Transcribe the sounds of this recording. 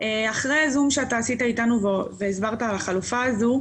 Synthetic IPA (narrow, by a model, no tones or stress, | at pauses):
eaχʁeazumʃeataːsitaitanuveveːsbaʁtaːlaχalufaːzu